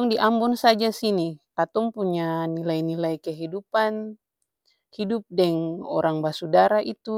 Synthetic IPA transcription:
ɔŋdiʔambɔnsad͡ʒasinikat̪ɔŋpuɲanilainilaikɛɦidupan | hidup̚dɛŋɔ̰ɾaŋbasudaɾaʔit̪u

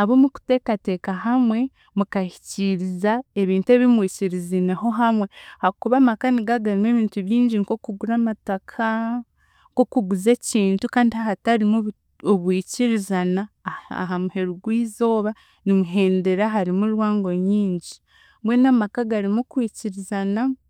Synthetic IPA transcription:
aβomuku̥te̞kate̞ːkaɦamwe̞ | mukahi̥ciɾizae̞βiːntue̞βimwiːciɾizineɦo̞ɦamwe̞hakuβamakaniɡaɡaɾimeβiːntuβjiːɲɟinko̞kuɡuɾamatakʰa | ŋko̞kuɡuze̞ciːntukaːndihahataɾimuβ | oβwiːciɾizanaa̰ɦamuhe̞ɾuɡwiːzo̞ːβa | nimuɦe̞ːnde̞ɾaɦaɾimulwaːŋɡo̞ɲiːɲɟi | βwe̞ːnamakaɡaɾimukwiːciɾizana

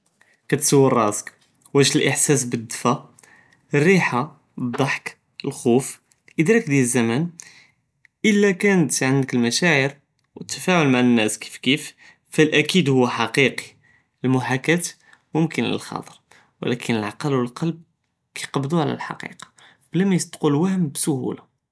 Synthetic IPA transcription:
kæt̪səwːərˤɑzq | wæʒəlʔəħsæs̬bəd̪ːfæ | rːiħa | d̪ˤɑħk | əlxuf | ʔəd̪ɾɑk̚d̪jælzːæmæn | ʔəlːækænət̪ʕənd̪əkəlmæʃæʕəɾ | wət̪ːəfæʕʊlmaʕənːæski̥fkif | fælʔækid̪hʊwːæħɑqiqi̥ | əlmʊħækæt̪ | mʊmkənlə̰lxɑ̰t̪ˤəɾ | wə̰lækʰənəlʕɑqɑlwəlqɑlb̚ | kæjqɑbd̪uʕlæ̰lħɑ̰qḭqɑ̥ | b̥əlæmæjəst̪ːˤqulwæhəmbsʊhṵla

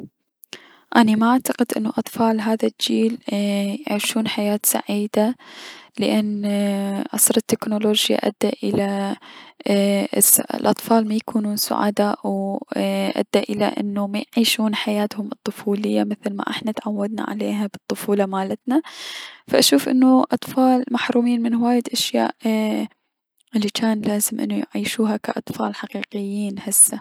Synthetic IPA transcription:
ʔanamaʔaʕt̪aqɪd̪ʔɪnːuʔɑt̪ˤfɑːlɦaːðald͡ʒiːljʕiːʃuːnħajaːt̪sa̰ʕiːd̪alɪʔanː | ʔɑsɾˤɑt̪ːɪknoloːd͡ʒja̰ʔa̰d̪ːaʔɪla | sa̰lʔɑt̪ˤfɑːlmajakʰuːnuːnsʊ̰ʕa̰ːd̪aw | ʔa̰d̪ːaʔɪla̰ʔɪ̰nːumajʕiːʃuːnħajaːt̪hʊmɨt̪ˤːʊfuːlɪjːamɪθlma̰ʔɪ̰ħnat̪ʕawːad̪̚na̰ʕa̰leːɦabɨt̪ˤːʊfuːlɑmaːlat̪nafaʔaʃuːfʔɪ̰nːuʔɑt̪ˤfɑːlmaħɾuːmiːnmɪnhʊwaːjɪd̪ʔaʃja̰ːʔ | ʔɪlːikaːnlaːzɪmʔɪ̰nːujʕiːʃuːɦakaʔɑt̪ˤfɑːlħaqiːqɪjːiːnhɪsːa

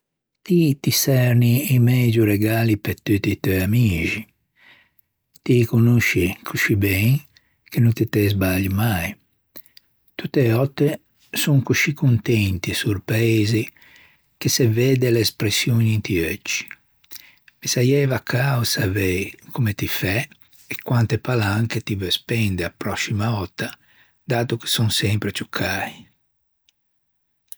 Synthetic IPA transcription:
t̪it̪isɛɾniimɛd͡ʒuɾeɡaːlipet̪ut̪it̪øjamiːʒi | t̪ikunuʃikʰuʃibɛŋ | kenunt̪it̪ɛzbaʎimaj | t̪ut̪ːeɔt̪ːe | suŋkuʃikunt̪ɛnt̪isuɾpɾaezi | kesevɛːd̪eleːspɾesːjoːnint̪iøt͡ʃːi̥ | mesajɛvakʰːawsavɛjkomet̪ifɛ | ekːwant̪epalaŋket̪ivespɛnd̪eapɾɔsːimaɔt̪ːa | d̪aːt̪oke̥sɔŋsɛmpɾet͡ʃukʰaːi

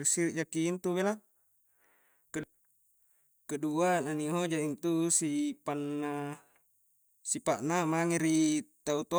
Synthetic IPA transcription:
ɾisiɾiʔd͡ʒakiːnt̪uβela | kə | kəduananiɦod͡ʒaint̪usipanːa | sipaʔnamaŋeɾit̪aut̪o

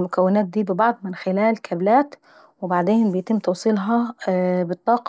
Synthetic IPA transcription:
mʊkæwːɪnæːt̪̚d̪iːbɪbɑʕd̪ˤmɪnxɪlæːlkʰæblæːt̪ | wɪbaʕd̪eːnbɪjt̪ɪmːt̪ɑwsˤiːlɦɑbɪt̪ˤːɑːqɑ

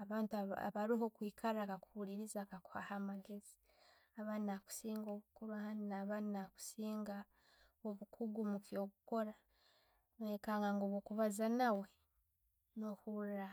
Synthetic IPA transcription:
aβaːntaβaɾiɦo̞kwiːkʰaɾakakuhuliɾizakaku̥ha̰hamaɡezi̥ | aβanaku̥siːŋɡo̞βukuɾuahaninaβannaku̥siːŋɡa | oβukʰuɡumukjo̞kuko̞ɾa | ekaŋɡaŋɡoβokuβazanawe̞ | nohuɾa

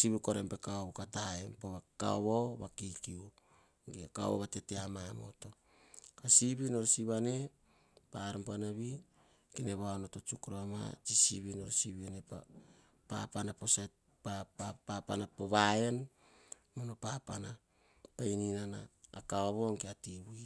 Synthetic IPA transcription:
siβiko̞ɾempe̞kaoβokatahaempoβaka̰oβoβakikiu | ŋɡiaka̰βo̰βate̞teamamo̞̰to̞ | kasiβino̞ɾsiβane̞ | paɾompanaβi | kineβaonotot͡ʃukɾoama̰t͡ʃisiβinoɾosiβianepa̰ | pa̰panaposa | papapapanapoβae̞n | monopapana | pajninana̰ːkaoβo̞ŋɡeatiβui

